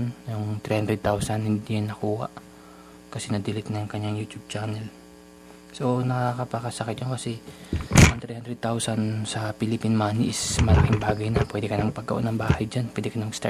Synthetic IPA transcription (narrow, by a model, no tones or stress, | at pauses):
njoŋt̪ɾihand̪ɾɛd̪̚t̪awsɐnhɪnd̪ijɐnːɐkuːha̰ʔ | kɐsɛnɐd̪ɪlɪt̪̚nɐŋkɐɲːaŋjuːt̪jub̚t͡ʃaːnɛl | so̞nɐkakɐpɐkɐsɐkɪt̪jonkɐsɛ | ʔɐŋt̪ɾihand̪ɾɛd̪̚t̪awsɐnsɐpilɪpinmaːniʔɪsmɐlakɪŋbaːɡɐjnɐpwɛːd̪ɛkɐnɐŋpɐɡ̚ɐ̰ʔo̰nɐŋbaːhɐjd͡ʒanpwɛːd̪ɛkɐnɐmɐɡst̪a̰